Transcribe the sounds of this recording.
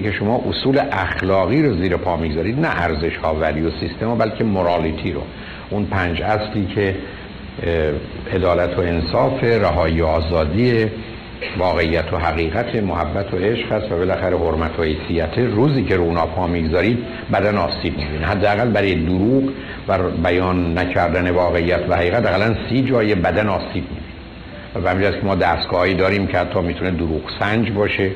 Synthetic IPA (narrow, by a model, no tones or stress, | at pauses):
ikeʃo̞mɒːʔosuːleʔæxlɒːɣiːɾoziːɾepʰɒːmiɡzɒːɾiːd̪næʔæɾze̞ʃhɒːvæliosist̪ʰemobælcʰe̞moɾɑːlit̪ʰiɾo̰ | ʔunpʰæːnd͡ʒæsliːkʰe̞ | e̞d̪ɒːlæt̪ʰoe̞nsɒːfe̞ɾæɦɒːiːoɒːzɒːd̪iːe | vɒːɣe̞ijːæt̪ʰoɦæɣiːɣæt̪ʰemohæbːæt̪ʰoeʃʁhæst̪væbe̞læxæɾeɦo̞ɾmæt̪ʰohe̞jsijæt̪ʰeɾuːziːcʰeɾuːnɒːpʰɒːmiːɡzɒːɾiːd̪ | bæd̪ænɒːsiːb̚mibiːneɦæd̪ːeæɣælbæɾɔːjed̪uɾuːɢ | væbæjɒːnːæcʰæɾd̪æne̞vɒːɣe̞ijːæt̪ʰvæhæɣiːɣæt̪æɣælænsiːd͡ʒɒːjebæd̪ænɒːsiːb̚mibine | væbehæmd͡ʒæskʰcʰemɒːd̪æst̪ɡ̥ɒːhɒːiːd̪ɒːɾiːmcʰehæt̪ʰːɒːmiːt̪ʰuned̪oɾuːɣsænd͡ʒbɒːʃe